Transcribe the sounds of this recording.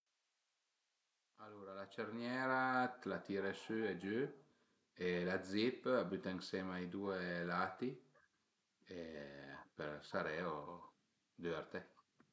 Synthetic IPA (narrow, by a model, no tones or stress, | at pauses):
aluɾalat͡ʃɛɾnjɛɾat̪lat̪iɾesyed͡ʒy | elad̪zipabyt̪aŋsɛmajd̪uelat̪i | epeɾsaɾɛo | d̪øɛɾt̪e